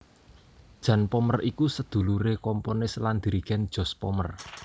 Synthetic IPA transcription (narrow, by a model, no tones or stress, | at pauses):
d̥ʒ̥ä̤npɔmərikusəd̪̥ṳluɾekɔmponɪsland̪̥i̤ɾiɡ̥ɛnd̥ʒ̥ɔ̤spɔmər